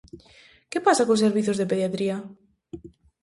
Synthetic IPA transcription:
kepasakoseɾβiθozðepeðjat̪ɾia

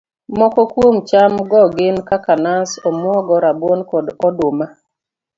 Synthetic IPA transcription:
mɔkɔkwomt͡ʃamɡɔɡɪnkakanasɔmwɔɡɔɾabwonkɔdɔdʊma

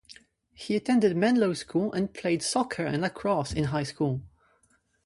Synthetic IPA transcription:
hiɨtʰɛ̃ndɨd̚mɛ̃nloʊskʰulˠə̃npʰl̥eɪd̥sɔkʰə˞ɨ̰̃nləkʰɹ̥ɔsɨ̃nɦaɪskulˠ

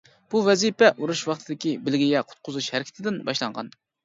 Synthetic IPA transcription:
b̥uvɛzipɛʔuɾuʃwɑχt̪ʰɨd̪ɪkʲibɪlɡʲijɛqʰʊ̥t̪̚qʰʊzuʃhɛɾɪkʲi̥t̪ʰɪd̪ɪnbɑʃlˠɑɴʁɑ̰n

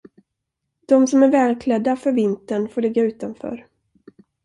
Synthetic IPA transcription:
d̪̥ɔmsɔmæɾvɛːlkʰlɛd̪ːafœɾvɪnt̪əɳfoːɭɪɡːaʉ̟ːt̪anfœ̰ːɾ

